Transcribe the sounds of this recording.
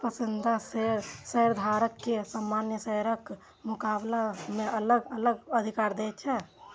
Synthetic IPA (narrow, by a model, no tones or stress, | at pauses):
pəsɪnd̪ʱasseɾd̪ʱaːɾəkːesamːaːnjəseːɾək | mʊkaːblamẽɐləɡələɡəd̪ʱikaːɾd̪eːt͡ʃʰɛ